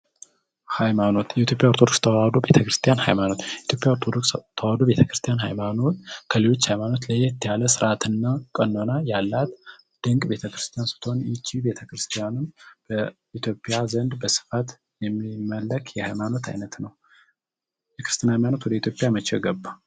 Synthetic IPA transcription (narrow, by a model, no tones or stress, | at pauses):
hajmano̞t̪jɛit̪ʰjo̞pʼjaəɾt̪ʰo̞d̪okst̪ʰəwad̪obe̞t̪ʰəkɾɨst̪ʰijanha̰jmano̞t̪it̪ʰjo̞pʼjawoɾt̪ʰod̪okst̪ʰəwad̪obe̞t̪ʰəkɾɨst̪ʰijanhajmano̞t̪kʰəlelo̞t͡ʃːhajmano̞t̪ləjɛt̪ʰːijaləsɨɾʔat̪ʰɨnːakʼənːo̞najalːat̪ | d̪̥ɨŋkʼbe̞t̪ʰəkɾɨst̪ʰijansɨ̥t̪ʰonjɪt͡ʃːibe̞t̪ʰəkɾɨst̪ʰijanɨmb̥ə | it̪ʰjo̞pʼjazənd̪bəsɨ̥fat̪ | jɛmːimːəlːəkʰjɛhajmano̞t̪ʰa̰jnət̪nəw | t̪əkɾɨst̪ijanhajmano̞t̪wɔd̪əit̪ʰjopʼjamət͡ʃɛɡəbːa